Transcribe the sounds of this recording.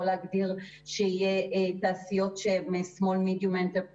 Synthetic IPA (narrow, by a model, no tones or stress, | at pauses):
oleaɡdiʁ | ʃeijet̪aːsijo̞tʃemesmo̞lmidjument̪e